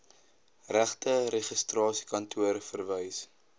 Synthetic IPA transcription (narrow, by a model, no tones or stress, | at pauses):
ræχtəɾeχəstrɑːsi̥kɐntʰuəɾfərvəjs